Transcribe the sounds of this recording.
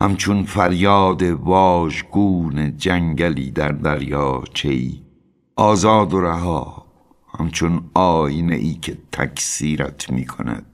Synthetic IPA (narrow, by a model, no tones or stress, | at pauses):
hæ̰mt͡ʃʰonfæɾjɒːd̪evɒːʒɡuːned͡ʒæŋɡæliːd̪æɾd̪æɾjɒːt͡ʃʰeḭː | ʔɒːzɒːd̪oɾæɦɒː | hæ̰mt͡ʃʰonʔɒːjinḛʔiːkʰe̞t̪ʰæ̰kʰsiːɾæ̰t̪ʰmiːkʰo̰næ̰d̪̥̚